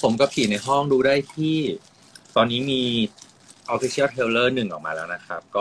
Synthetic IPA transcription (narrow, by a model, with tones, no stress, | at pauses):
pʰo˩˦mkɔ˥˩pʰiː˨˩na˧jɦɔ˥˩ŋɾuː˧daː˥˩jt̪ʰiː˥˩ | t̪ɔː˧nːiː˦˥miː˧ | ʔɔ˧˥fi˧˦sʰi˥˩ə˩t̪ʰeː˧wlɤː˥˩nɯ˨˩ŋʔɔː˨˩k̚ma̰ː˧lɛ̰ː˦˥wna˦˥kʰa˦˥p̚kɔː˥˩